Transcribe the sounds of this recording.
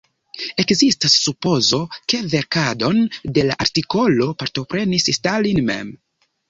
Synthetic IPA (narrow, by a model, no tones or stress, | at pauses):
e̞kzistasːupo̞zo̞ke̞ve̞ɾkado̞nde̞laʔaɾtiko̞lo̞paɾto̞pɾe̞nisstalinme̞̰m